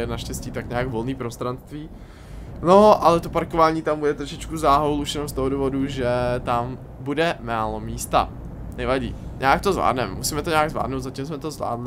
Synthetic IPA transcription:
ɛnaʃcɛsciːt̪akɲaaɡvo̞lniːpɾost̪ɾanst̪viː | noʔalɛt̪o̞paɾkovaːɲiːt̪ambudɛt̪ɾoʃɪt͡ʃkuzaːɦowlʔuʃjɛnomst̪oɦoduːvoduʒɛt̪am | budɛmaːlo̞miːst̪a̰ | nɛvaɟḭːɲʔaːk̚t̪ozvla̰ːdnɛmːusiːmɛt̪oɲɛaɡzvla̰ːdnowt̪zacimsmɛt̪ozvla̰ːdlɪ

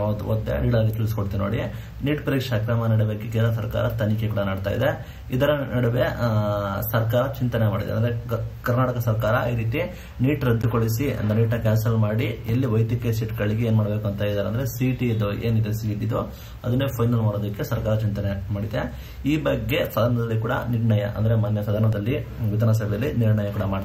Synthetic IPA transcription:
od̪o̰d̪ːḛniːʈaːɡet͡ʃuːɾisi̥koɽt̪innoːɽi | niːʈpɐɾiːkʂɐkɾaːmɐnɐɽuʋeɡekɛlɐɐs̬ɐɾka̰ːɾɐt̪ɐnikekuːɽɐnɐːɽt̪aːjid̪e | id̪ɐɾɐnɐɽuʋe | sɐɾkaːɾɐt͡ʃint̪ɐnemaːɽid̪a̰ɾeɐnd̪ɐɾekɐɾnaːʈɐkɐsɐɾkaːɾɐiɾiːt̪i | niːʈɾɐd̪ːukoɭisiɐ̰nd̪eniːʈnɐkaːnsɐlmaːɽielːiʋɐjd̪jɐkesiʈɡɐɭiɡeeːnmaːɽɐbe̞ːkuɐnt̪ʰɐid̪aːɾeɐnd̪ɐɾesiːʈiid̪oʔeːnid̪ɐsiid̪ːid̪u | ɐd̪ɐnːeːpʰɐjnɐlmaːɽoːd̪ɐkːe̞sɐɾkaːɾɐt͡ʃint̪ɐnemaːɽid̪e | iːbɐɡːe̞sɐd̪ʱaːɾɳɐd̪ɐlːikuːɽɐ̰niɾɳɐjɐ̰ʔɐ̰nd̪ɐɾemaːnjɐsɐd̪ʱaɾɳɐd̪ɐlːi | ʋid̪ʱɐnɐs̬ɐbʱɛjɐlːiniɾɳɐjɐkuːɽɐmaːɽt̪ː

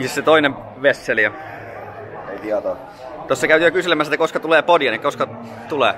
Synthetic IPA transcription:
isset̪oineʋ | ʋesːeliɑ | et̪iɑt̪o | t̪osːɑkæyt̪yːøkyselemæsːsit̪ːækoskɑt̪uleːpodiɑnekækoskɑ | t̪ulḛː

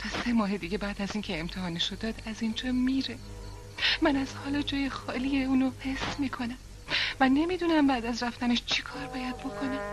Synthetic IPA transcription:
t̪ʰɒse̞mɒːɦe̞d̪iːɟʲe̞bæːd̪æziːncʰe̞ːmt̪ʰeɦɒːneʃod̪ɒːd̪æzind͡ʒɒːmiːɾe | mænæzhɒːlɒːd͡ʒɒːje̞xɒːliːeuːnohe̞smiːkʰo̞næm | væne̞miːd̪uːnæmbæːd̪æzɾæft̪æneʃt͡ʃʰikʰɒːɾbɒːjæd̪̚bo̞kʰo̞nem

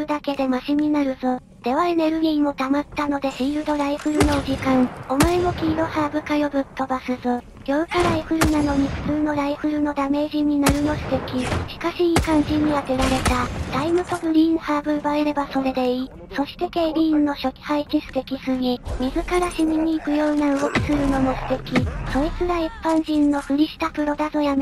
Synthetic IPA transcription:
ɯd̪ake̞d̪e̞maɕiɲ̟ʲinaɾɯ̟zɨ | d̪̥e̞βane̞ɾɯ̟ɾʲiːmo̞t̪amat̪ːano̞d̪e̞ɕiːɾɯ̟d̪o̞ɾaiɸɯ̟ɾɯ̟no̞d͡ʑikãŋo̞moemo̞kʲiːd̪o̞haːbɯ̟kajo̞bɯ̟t̪ːo̞basɨzɨ | ɾʲo̞ɯ̟kaɾaiɸɯ̟ɾɯ̟nano̞ɲ̟iɸɯ̟̥t͡sɨːno̞ɾaiɸɯ̟ɾɯ̟no̞d̪ame̞ːʑiɲ̟ːinaɾɯ̟no̞sɨ̥t̪e̞kʲiɕi̥kaɕiːkãɲ̟d͡ʑĩɲ̟iβat̪e̞ɾaɾe̞t̪ad̪̥aimɯ̟t̪o̞bɯ̟ɾʲiːnhaːbɯ̟ɯbaɾeɾe̞baso̞ɾe̞d̪e̞iː | so̞ɕi̥t̪e̞keːɾʲiːnːo̞ɕo̞kʲi̥haikʲisɨ̥t̪e̞kʲisɨɲ̟imʲizɨkaɾaɕimʲiɲ̟iːkɯ̟jo̞ːnaɯɡokʲi̥sɨɾɯ̟no̞mo̞sɨ̥t̪e̞kʲiso̞it͡sɨɾaipːãɲ̃ʑĩnːo̞ɸɯ̟ɾʲiɕi̥t̪apɯ̟ɾo̞d̪azo̞jam

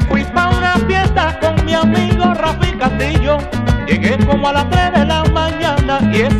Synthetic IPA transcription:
kwipaunapjent̪akoŋmiamiɣorafikast̪iʎo | ʝeɣekomoalast̪ɾezðelamãɲãnaie

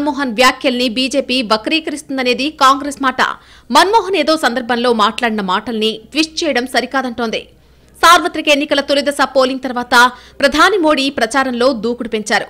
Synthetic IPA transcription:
mɔːɦɐnʋjaːkʰjɐlɐnibiːd͡ʒe̞ːpiːʋɐkɐɾiːkɐɾist̪und̪ɐne̞ːd̪ikaːŋɡɾesmaːʈɐ̰ | mɐnmɔːɦɐne̞ːd̪o̞ːsɐnd̪ɐɾbʱɐnlo̞ːmaːʈlaːɽinɐmaːʈɐlɐniʈʋiʂʈt͡ʃɛːjɐɽɐmsɐɾikaːd̪ɐɳʈoːnd̪ḭ | saːɾʋɐt̪ɾikɐenːikɐlɐt̪ulid̪ɐsɐpoːliŋɡt̪ɐɾʋaːt̪ɐpɾɐd̪ʱaːnimo̞ːɽipɾɐt͡ʃaːɾɐmlo̞ːd̪uːkuɽupeɲt͡ʃaːɾu

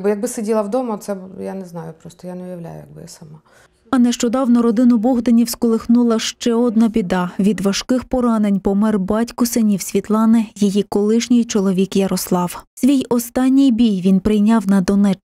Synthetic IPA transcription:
bjɐɡ̚bɪsedʲilˠɐwd̪ɔmɔt̪sɛjanɛznɑjʊpɾɔst̪ɔjanɛʊjɐwlʲæ̰jʊ̰jɐ̰ɡ̚bɪ̰ja̰sɐma | ɐnɛʃt͡ʃɔd̪ɑwnɔɾɔd̪ɪnʊbɔɦd̪ɐnʲiwskɔlˠɪxnulˠɐʃt͡ʃɛɔd̪nɐbʲid̪ɑʋʲid̪ʋɐʃkɪxpɔɾɑne̞nʲpɔmɛrbɑtʲkʊsenʲiwsʲʋʲit̪lˠɑnɪjijikɔlˠɪʃnʲɪjt͡ʃɔlˠɔʋʲikjɐɾɔslˠɑwsʲʋʲijɔst̪ɑnʲːɪjbʲijʋʲinpɾɪjnʲɑwnɐd̪ɔnɛt͡ʃ

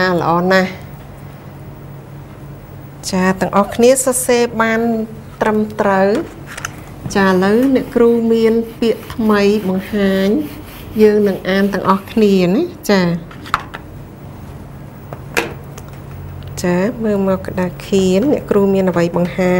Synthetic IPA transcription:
aːlə̆ʔɑːnah | t͡ɕaːt̪ɨ̆əŋʔɑhkʰniəsɑseːɓaːnt̪rəmt̪rəw | t͡ɕaːʔələwnɛ̆əʔkruːmiənpiəʔt̪ʰməjɓɑŋhaːɲ | jəːŋnɨŋʔaːnt̪ɨ̆əŋʔɑhkʰniənat͡ɕaː | t͡ɕaːməːmɔːkːə̆ɗaːkʰiənːɛ̆əʔkruːmiənʔəʋəjɓɑŋhaː

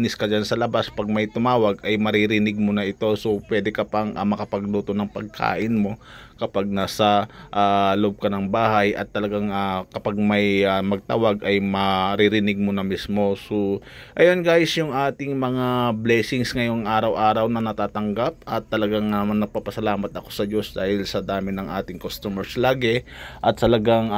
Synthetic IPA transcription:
nɪskɐd͡ʒansɐlɐbaspɐɡ̚mɐjt̪ʊmaːwɐɡʔɐjmɐɾɪɾɪnɪɡ̚monɐʔɪt̪o̞so̞pwɛːd̪ɛkɐpɐŋʔamɐkɐpɐɡ̚luːt̪onɐŋpɐɡ̚kʰa̰ːʔɪnmo̞kɐpaɡ̚naːsɐʔaloʔob̚kɐnɐŋbaːɦajʔɐ̰t̪ːɐlɐɡaŋakɐpaɡ̚mɐjamɐɡ̚t̪a̰waɡʔɐjmɐɾɪɾɪnɪɡ̚monɐmismo̞so | ʔɐjonɡaːjɪsjʊŋʔaːt̪ɪŋmɐŋablɛːsɪŋsŋɐjo̞ŋʔaːɾɐwʔaːɾɐwnɐnɐt̪aːt̪ɐŋɡap̚ʔɐt̪ːɐlɐɡaŋamnːɐɡ̚paːpɐsɐlaːmɐt̪ɐko̞̥sɐd͡ʒo̞sd̪aːhɪlsɐd̪aːmɪnɐŋʔa̰ːt̪ɪŋkost̪omɛɹslaːɡɪʔɐt̪̚ːɐlɐɡaŋ

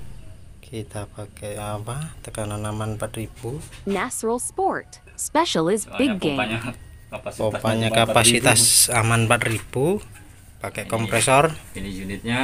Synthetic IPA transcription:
kʰit̪apakɛapat̪əkananamanpat̪rib̥unæt͡ʃɹəl̩ˠspɔɹt | spɛʃl̩ˠɪzbɪɡɡẽ | opaɲakapasit̪asamanpat̪rib̥u | pakɛʔkɔmpɾɛsɔrnunt̪̚ɲa

